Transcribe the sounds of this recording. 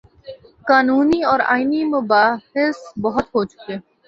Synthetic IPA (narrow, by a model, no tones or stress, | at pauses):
kaːnuːniɔːɾa̰ːinimʊbaːhɪsbɔɦʊt̪ɦoːt͡ʃʊ̥keː